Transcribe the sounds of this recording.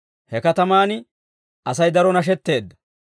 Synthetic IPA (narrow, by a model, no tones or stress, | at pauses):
hɛkɐt̪ɐmaːnɪ | ʔɐsɐjd̪ɐɾɔnɐʃ̬ɛt̪ːe̞ːd̪ːɐ̥